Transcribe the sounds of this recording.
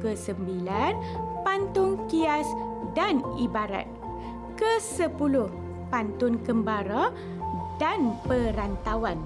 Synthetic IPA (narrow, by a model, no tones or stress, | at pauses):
kəsəmbilanpant̪ʊŋkiasdanibaɾa̰t̪̚ | kəsəpulʊh | pant̪ʊnkəmbaɾa | danpəɾant̪awan